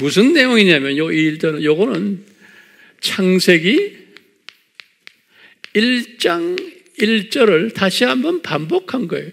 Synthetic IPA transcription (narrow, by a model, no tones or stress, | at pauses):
musʰɯnːe̞joŋiɲamjʌnjʌiɭt͡ɕ͈ʌnɯnjoɡʌnɯn | t͡ɕʰaŋsʰe̞ɡi | iɭt͡ɕ͈aŋ | iɭt͡ɕ͈ʌɾɯɭtaɕʰiɦambʌnpambokʰanɡʌḛjo